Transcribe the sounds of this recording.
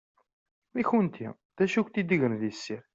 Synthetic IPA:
miçunt̪ʰḭ | ðæʃukʷt̪id̪iʝənðisːiɾ

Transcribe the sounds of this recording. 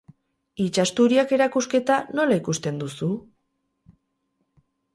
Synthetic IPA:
it͡ʃast̪uɾiake̞ɾakuske̞t̪ano̞laikust̪e̞nd̪usu

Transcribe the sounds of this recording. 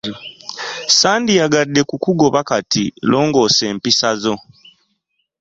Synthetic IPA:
saːndijaɡadːe̞kukuɡo̞βakatilo̞ːŋɡo̞ːse̞ːmpisazo̞

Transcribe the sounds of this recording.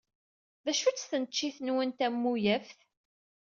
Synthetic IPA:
ðæʃut͡sːθənət͡ʃːiθənwənt̪æmːujæfθ

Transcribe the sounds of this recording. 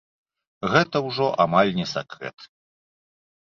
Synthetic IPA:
ɣɛt̪ɐwʐɔʔamalʲnʲɛsʲakɾɛ̰t̪

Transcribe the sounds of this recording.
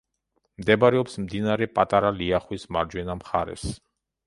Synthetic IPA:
md̪ɛbaɾɛɔpsmd̪inaɾɛpʼat̪ʼaɾaliaχwismaɾd͡ʒwɛnamχaɾɛ̰s

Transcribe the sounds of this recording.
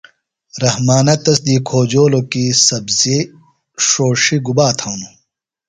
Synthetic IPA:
ɾɐhmaːnɐt̪ɐsd̪iːkʰoːd͡ʑoːlokisɐbzi | ʂoːʂiɡubaːt̪ʰɐwnu

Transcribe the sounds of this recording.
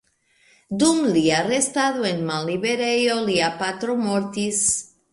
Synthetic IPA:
d̪umliarest̪aðoenmalliβeɾejoliapat̪ɾomoɾt̪is

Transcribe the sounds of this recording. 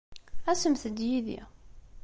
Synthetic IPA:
æsəmθəd̪jiðḭ

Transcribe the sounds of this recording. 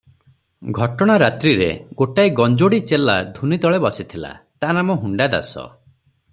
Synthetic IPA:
ɡʱɔʈɔɽ̃aɾat̪ɾiɾḛɡoʈaiɡɔnd͡ʒoɽit͡ʃela̰d̪ʱunid̪ɔɭebɔsit̪ʰila̰t̪anamɔɦuɳɖad̪a̰sɔ̰

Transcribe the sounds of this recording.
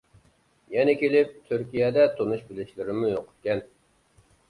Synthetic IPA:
jɛnɛkʲelɪp̚t̪ʰyɾkʲijɛd̪ɛt̪ʰonuʃbɪlɪʃlɪɾɪmujoqʰʊ̥t̪̚kʲɛn

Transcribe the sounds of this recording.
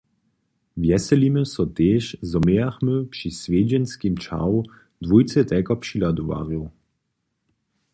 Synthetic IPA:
vjɛsɛliməsɔt̪eːʃzɔmeaxmøpʂisvʲeːd͡ʒɛnskimt͡ʃa̰ww | d̪vujt͡sɛt̪ɛkɔpʃilad̪uva̰ːʁjuw

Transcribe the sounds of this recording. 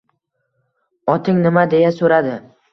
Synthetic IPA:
ɒt̪ʰɪŋnɪmad̪e̞jasoɾad̪ɪ

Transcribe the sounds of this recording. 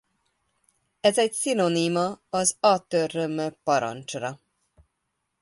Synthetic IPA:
ɛzɛcsinonimɒɒzɒt̪ørømøpɒɾɒ̰nt͡ʃrɒ

